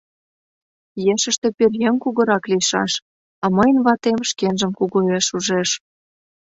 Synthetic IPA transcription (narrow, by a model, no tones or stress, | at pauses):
jeʃə̆ʃt̪ĕperjeŋkuɣɤ̆ɾɑklijʃɑ̰ʃ | ɑməjənβɑt̪emʃkenʒə̆mkuɣueʃuʒeʃ